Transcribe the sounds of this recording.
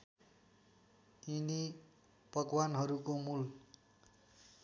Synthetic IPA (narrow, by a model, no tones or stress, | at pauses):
ini | pʌɡwanɦʌɾukomul